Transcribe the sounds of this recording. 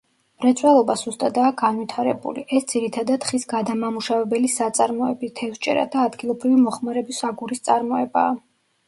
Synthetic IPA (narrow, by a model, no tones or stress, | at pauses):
mɾɛt̪sʼwɛlˠɔbaz̥ust̪ʼad̪aːɡanvit̪ʰaɾɛbṵliʔɛsd̪z̥iɾit̪ʰad̪ad̪χisɡad̪amamuʃavɛbɛlisat̪sʼaɾmɔɛbit̪ʰɛfst͡ʃʼɛ̰ɾa̰d̪aːd̪ɡilˠɔbɾivimɔχmaɾɛbisaɡuɾist̪sʼaɾmɔɛba̰ː